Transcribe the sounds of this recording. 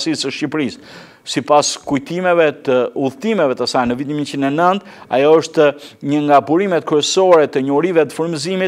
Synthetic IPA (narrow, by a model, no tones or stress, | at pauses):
sisəʃcipɾis | sipaskujt̪imɛvɛt̪əuðt̪imɛvɛt̪asajnəvit̪̬inmint͡ʃinɛnənt̪ | a̰jɔəʃt̪əɲəŋɡabuɾimɛt̪̚kɾɛsɔɾɛt̪əɲɔɾivɛt̪ə̥fəɾmizimit̪